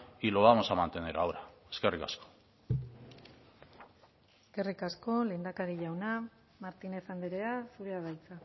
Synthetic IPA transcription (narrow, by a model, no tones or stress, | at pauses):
iloamosamant̪eneɾawɾaeskerika̰sko̥ | eske̞rikasko̞le̞ːnd̪akaɾiʝawna | maɾt̪ine̞sand̪eɾe̞asuɾeaβajt͡sa